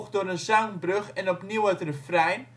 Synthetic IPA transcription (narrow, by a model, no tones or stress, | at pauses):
χdʊːɾənzɑŋnbrøχɛnɔpniwətrəfrɛjn